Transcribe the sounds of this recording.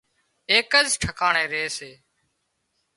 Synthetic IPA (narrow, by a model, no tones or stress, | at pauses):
eːkəzʈʰəkaːɳẽːɾeːseː